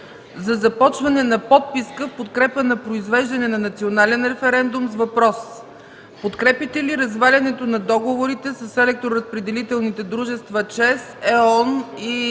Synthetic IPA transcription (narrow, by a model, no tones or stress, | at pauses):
zɐzɐpɔt͡ʃvɐnɛnɐpɔt̪̚piskəfpot̪kɾɛpənɐpɾoizvɛʒd̪ɐnɛnɐnɐt̪sionalɛnɾɛfɛɾɛnd̪umzvɐpɾɔs | pot̪kɾɛpit̪ɛliɾɐzvalʲɐnɛt̪onɐd̪ɔɡovoɾit̪ɛsəsɛlɛk̚t̪ɾoɾɐspɾɛd̪ɛlit̪ɛlˠnit̪ɛd̪ɾuʒɛst̪vɐt͡ʃɛsɛɔni